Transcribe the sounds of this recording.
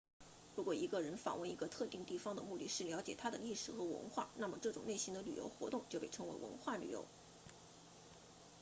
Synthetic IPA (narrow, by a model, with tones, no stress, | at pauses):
ɻu˧˥kwɔ˨˩i˧˥ɡə˧ɻə˧˥nfa̰˨˩ŋwə˥˩ni˧˥ɡə˧t̪ʰɤ˥˧t̪i˥˧ŋt̪i˥˩fɑ˥ŋd̪ə̰˨mu˥˧t̪i˥˧ʂɻ̩˥˩ljɑ˧˥ʊt͡ɕjɛ˨˩t̪ʰa˥d̪ə˨˧li˥˩ʂɻ̩˨˩xɤ˧˥wə̰˧˥nxwa̰˥˩na˥˩mə˩ʈ͡ʂɤ˥˩ʈ͡ʂʊ˨˩ŋne˥˩ɪɕi˧˥ŋd̪ə˧ly̰˨˩jo̰˧˥ʊxwɔ̰˧˥t̪ʊ˥˧ŋt͡ɕjo˥˧ʊpe˥˩ɪʈ͡ʂʰɤ˧˥ŋwḛ˧˥ɪwə̰˧˥nxwa˥˩ly˨˩jo̰˧˥ʊ